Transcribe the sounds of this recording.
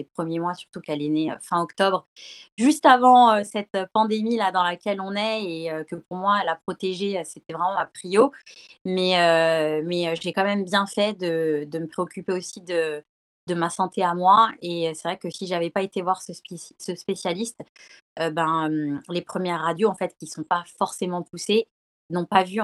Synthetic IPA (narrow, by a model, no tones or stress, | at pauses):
epχəmjemwasy̥ʁt̪ukɛleneø̰fɛ̃ɔkt̪ɔbʁʒyst̪avɑ̃øsɛt̪øpɑ̃d̪emilad̪ɑ̃lakʲɛlɔ̃nɛeøkəpuʁmwalapχɔt̪eʒeøset̪ɛvʁɛmɑ̃apχiomɛømɛøʒekɑ̃mɛmbjɛ̃fɛd̪əd̪əməpχeɔkʲypeosid̪ə | d̪əmasɑ̃t̪ʰeamwaeøsɛvʁɛkəsiʒavɛpaet̪evwaʁsəssəspesjalist̪ | øbɛ̃ømlepχəmjɛʁːad̪joɑ̃fɛt̪kʲisɔ̃pafɔʁsemɑ̃puse | nɔ̃pavy